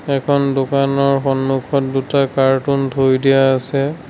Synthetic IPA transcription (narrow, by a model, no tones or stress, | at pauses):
ɛkʰɔndokanɔɹxɔnmukʰɔt̚dutakaɹtuntʰojdijaːsɛ